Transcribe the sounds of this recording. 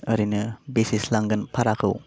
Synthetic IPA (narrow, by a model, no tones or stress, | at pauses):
əɾinɯbesislaŋɡɯnpʰaɾakʰɯw